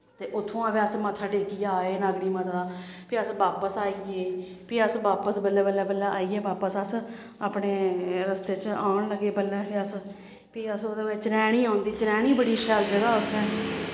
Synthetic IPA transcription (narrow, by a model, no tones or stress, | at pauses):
t̪eːʔʊt̪ʰːõãːbeːəsmət̪ʰaːɖeːkiːaːeːnaːɡɽiːmət̪ʰapiːəsʋaːpəsaːiːeː | piːəsʋaːpəsbəlːɛːbəlːɛːbəlːɛːʔaːiːeːbaːpəsəs | aːpɳeːɾəst̪eːt͡ʃaːɳləɡːeːbəlːɛːpiːəs | piːəsoːd̪eːet͡ʃɾɛːɽ̃iːãːnd̪iːt͡ʃɾɛːɽ̃iːbəɽiːʃɛːld͡ʒəɡaːʊt̪ʰːɛː